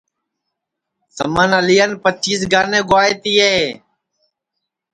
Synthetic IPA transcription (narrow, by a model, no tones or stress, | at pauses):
sə̰mənəlijənpət͡ʃʰiːs̬ɡaːneːɡʊaːeːt̪iːeːeː